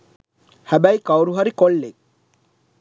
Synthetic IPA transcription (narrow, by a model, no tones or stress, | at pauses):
hæbajkawɾuɦaɾikɔɭːek̚